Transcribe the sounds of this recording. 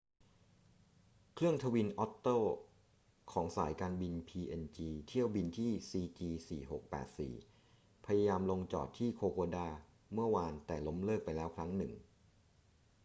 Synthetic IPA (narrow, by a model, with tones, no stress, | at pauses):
kʰɾɯ˥˩əŋt̪ʰa˧wi˧nʔɔ˦˥t̪ːɤː˥˩ | kʰɔː˩˦ŋsa̰ː˩˦jkaː˧nbi˧npʰiː˧ʔe˧nt͡ɕiː˧t̪ʰi˥˩əwbi˧nt̪ʰiː˥˩siː˧t͡ɕiː˧sḭː˨˩ɦo̰˨˩k̚pɛ̰ː˨˩t̪̚sḭː˨˩ | pʰa˧ja˧jaː˧mlo˧ŋt͡ɕɔ̰ː˨˩t̪ʰːiː˥˩kʰoː˧koː˧daː˧˩ | mɯ˥˩ɐwaː˧nt̪ɛː˨˩lo˦˥mlɤː˥˩k̚pa˧jlɛː˦˥wkʰɾa˦˥ŋnɯ˨˩ŋ